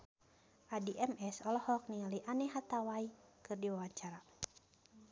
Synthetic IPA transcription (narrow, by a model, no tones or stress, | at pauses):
ʔadiʔɛmɛsɔlɔhɔk̚niŋaliʔanɛɦat̪awaikɨrdiwawaɲt͡ʃaɾa